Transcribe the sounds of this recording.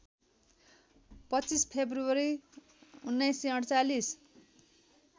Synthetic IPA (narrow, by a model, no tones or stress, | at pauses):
pʌt͡sispʰebruwʌɾi | unːʌjsiʌɽt͡salis